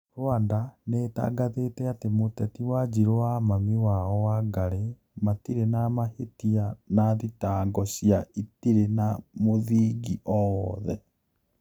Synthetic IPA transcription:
ɾwandaneta̰ːɡaðetɛatemotɛtiwad͡ʑiɾowamamiwaɔwaɡaɾe | matiɾenamahetianaðitaːŋɡɔɕiaitiɾenamoðiːɡiʔɔwɔðɛ

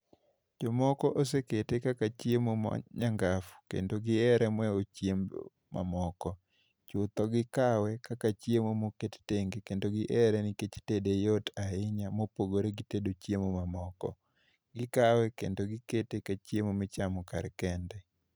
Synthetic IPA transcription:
d͡ʒɔmɔkɔʔos̬eketekakat͡ʃjemomɔ̰ɲaŋɡafu̥kḛndoɡɪɛɾɛmwɛot͡ʃjemb̰ | ma̰mɔkɔ | t͡ʃʊt̪ɔɡɪkawɛkakat͡ʃjemomoketteŋɡekendoɡɪʔɛɾɛnɪket͡ʃtedejotʰaɪɲamopoɡoɾeɡɪtedot͡ʃjemomamɔkɔ̰ | ɡɪkawɛkḛndoɡɪketekat͡ʃjemomɪt͡ʃamɔkaɾkɛndɛ

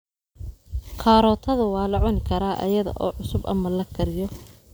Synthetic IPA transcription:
qʰɑːɾɔːt̪ʰɐðʊwɑːlɐʕɔnkʰɐɾaːʔɐ̰jɐðɐ̰ʔɔ̰ːʕʊsʊbʔɐ̰mɐlɐɡʰɐɾɪjɔ

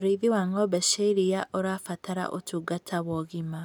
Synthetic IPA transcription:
oɾeiðiwaŋɔbɛʃeiɾijaʔoɾaːfataɾa̰ʔo̰tuːɡatʰaβwɔɣima

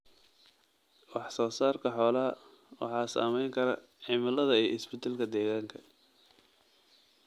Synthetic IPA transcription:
wɑħsɔːsaːrkʰɐħɔːlɐɐ | wɑ̰ħɑːsa̰ːmɛjŋkʰɐɾɐ̰ | ʕimɐlɐðɐijɪsbɪt̪ʰaːlkʰɐd̪ɛːɣaːŋkʰɐ̥

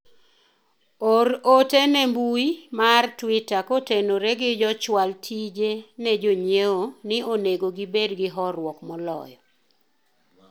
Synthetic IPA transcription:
oɾotenɛmbuimartwitakotenoɾɛɡɪd͡ʒɔt͡ʃwaltʰid͡ʒenɛd͡ʒoɲeonɪoneɡoɡibedɡɪɦɔrwɔkmɔlɔ̰jɔ

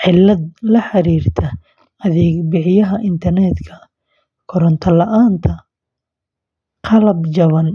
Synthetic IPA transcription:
ʕɪlːɐd̪lɐħɑɾiːrt̪ʰɐ | ɐðɛːɡbɪħɪjɐɦɐʔɪnt̪ʰɐrnɛd̪kʰɐ | kʰɔɾɔnt̪ʰɐlɐʔaːnt̪ʰɐ | qɑlɐbd͡ʒɐβɐn

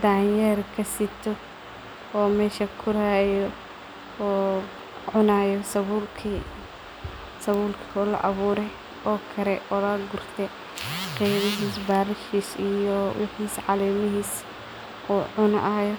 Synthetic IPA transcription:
d̪aːnjɐrkʰɐsɪt̪ʰɔ | ɔːmɛːʃɐkʰʊɾajɔː | ʕʊnaːjɔsɐβuːlkʰi | sɐβuːlkʰiɔːlɐ̰ʔɐβuːɾɛj | ʔɔːkʰɐɾɛʔɔːlɐːɡʊrt̪ʰɛ | qɛjβɪɦiːsbaːɾɪʃiːsijɔwɑħiːsʕɑlɛːmɪɦiːs | ʔuːʕʊnɐʔaːjɔ

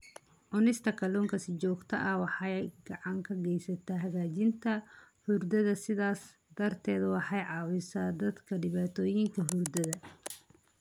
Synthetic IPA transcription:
ʕʊnɪst̪ʰɐkʰɐlɔːŋkʰɐsɪt͡ʃɔːɡt̪ʰɐʔɐwɑħɑjɡɑʕɑŋkʰɐɡɛjsɐt̪ʰɐɦɐɣaːt͡ʃɪnt̪ʰɐhʊrd̪ɐðɐsɪðaːs | d̪̥ɐrt̪ʰɛːðwɑħɑjʕɑːwɪsaːd̪ɐd̪kʰɐɖɪβaːt̪ʰɔːjɪŋkʰɐɦʊrd̪ɐðɐ

